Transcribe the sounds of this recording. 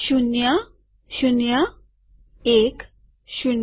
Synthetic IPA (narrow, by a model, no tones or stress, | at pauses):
ɕunja | ɕunja | ek | ɕun